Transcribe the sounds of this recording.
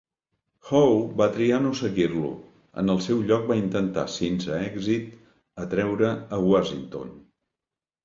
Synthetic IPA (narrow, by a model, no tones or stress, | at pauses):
xowbat̪ɾianosəɣirlṵ | ə̰nəlˠsɛwʎɔk̚baint̪ənt̪a̰sensəɛɡzit̪ | ət̪ɾɛwɾəəwasint̪o̰n